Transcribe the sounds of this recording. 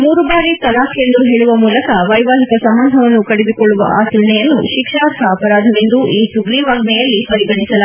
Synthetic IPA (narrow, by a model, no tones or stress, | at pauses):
muːɾubaːɾit̪ɐlaːkʰjend̪uɦeːɭuʋɐmuːlɐkɐʋɐjʋaːɦikɐsɐmːɐnd̪ʱɐʋɐnːukɐɽed̪ikɔɭːuʋɐ̰ʔaːsuɾɳɛjɐnːṵʃikʂaːɾt̪ʰɐːpɐɾaːd̪ʱɐʋend̪uʔiːʈuɡliʋɐɡnɛjɐlːipɐɾiɡɐɽisɐla